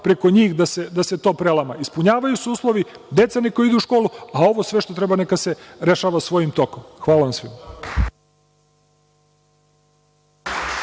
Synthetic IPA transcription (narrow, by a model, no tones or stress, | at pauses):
pɾe̞ko̞ɲiːxd̪ase̞d̪ase̞t̪o̞ːpɾelˠamaispuɲaːʋajusuuːslˠo̞ʋi | d̪e̞t̪saniko̞jid̪uuʃko̞ːluao̞ʋo̞sʋe̞ʃt̪ot̪ɾe̞bane̞kase̞ɾe̞ʃaːʋasʋo̞jimt̪o̞komxʋaːlaʋamsʋḭm